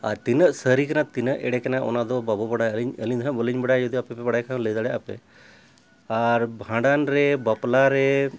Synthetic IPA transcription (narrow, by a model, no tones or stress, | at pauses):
a̰ɾt̪inəʔsəɾikanat̪inəʔɛ̰ɽɛkanaʔɔ̰nad̪ɔbabɔbəɽajəliɲəliɲd̪ʰʱnabəliɲbəɽajd͡ʒɔd̪iapɛpɛbaɽajkãləjd̪aɽɛʔapɛ̰ | aɾbʱãɖanɾɛbaplaɾɛ